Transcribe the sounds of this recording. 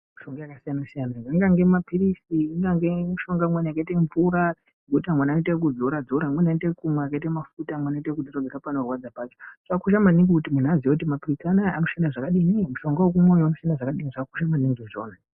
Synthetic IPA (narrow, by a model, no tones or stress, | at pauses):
muʃo̞ŋɡojakasijanasijanaiŋɡaŋɡe̞mapiɾisiiŋɡaŋɡemuʃo̞ŋɡamwenaakaiteɱvuɾa | ɡutamwenaitek̬ud͡zo̞ɾad͡zoɾamwenaitekumwaakaitamafutamwanaitekud͡zorad͡zeɾapanorwad͡zapaːt͡ʃoʐ̥akakuʃ̬amaniŋɡikutimun̤uazijokutimapirisanaanoʃanaʐakaɗinimuʃo̞ŋɡawokumwojoanosiandaʐakaɗiniʐakaku̥ʃamaniŋɡiʐoːna